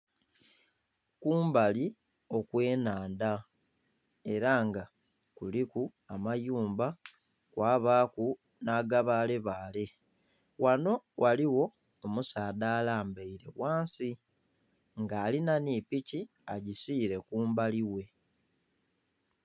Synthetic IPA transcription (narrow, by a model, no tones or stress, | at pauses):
kuːmbali | o̞kwe̞ːnaːnda | e̞ɾaŋɡa | kuliku | amajuːmba | kwaːβaːku | naɡaβaːle̞βaːle̞ | wano̞wʔaliwo̞ | omusaːdaːlaːmbeiɾe̞̰waːnsi | ŋɡaːlinanipici | a̰ɟisiːɾe̞kuːmbaliwe̞